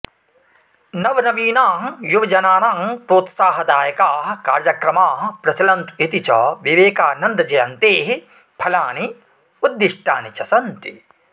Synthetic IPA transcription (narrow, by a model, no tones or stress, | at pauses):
nɐʋɐnɐmiːnaːɦjuʋɐd͡ʒɐnaːnaːmpɾoːt̪saːɦɐd̪aːjɐkaːɦɐ̆kaːɾjɐkɾɐmaːɦɐ̆pɾɐsɐlɐnt̪uit̪it͡ʃɐ̰ʋiʋeːkaːnɐnd̪ɐd͡ʒɐjɐnt̪eːɦi | pʰɐlaːni | ud̪ːiʂʈa̰ːnit͡ʃɐsɐnt̪i